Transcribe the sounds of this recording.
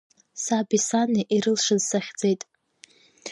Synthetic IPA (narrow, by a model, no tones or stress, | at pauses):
sabisaniʔiɾɨlʂɨzsaχʲd͡ze̞jtʼ